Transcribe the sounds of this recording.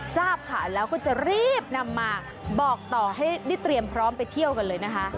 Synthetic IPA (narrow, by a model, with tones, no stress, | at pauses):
saː˥˩p̚kʰa̰ː˨˩˦nlɛː˦˥wkʰu˧˥nt͡ɕa˨˩ɾiː˥˩p̚na˧mːaː˧ | bɔː˨˩k̚t̪ɔː˨˩ɦa˥˩jda˥˩jt̪ɾi˧əmpʰɾɔː˦˥mpa˧jt̪ʰi˥˩əwka˧nlɤː˧jna˦˥kʰa˦˥ʔ